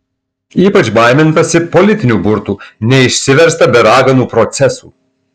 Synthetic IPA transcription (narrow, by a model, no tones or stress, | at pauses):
iːpɐt͡ʃbɑˑɪmʲɪnt̪ɐsʲɪpɔlʲɪt̪ʲɪnʲuːbʊɾt̪uːnʲɛɪʃʲsʲɪʋʲɛɾst̪ɐbʲɛɾɑːɡɐnuːpɾɔt̪sʲɛsṵː